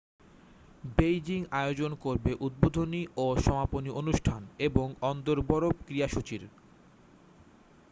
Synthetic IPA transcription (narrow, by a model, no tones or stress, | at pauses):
bejd͡ʑiŋaeod͡ʑonkoɾbeʔud̪̚bod̪ʱoniʔoʃɔmaponiʔonuʃʈʰaneboŋɔnd̪oɾbɔɾopkɾiaʃut͡ɕiɾ